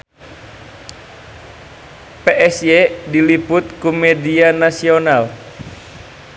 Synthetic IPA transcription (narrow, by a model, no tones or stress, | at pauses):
peʔɛsjɛdiliput̪̚kumɛdianasional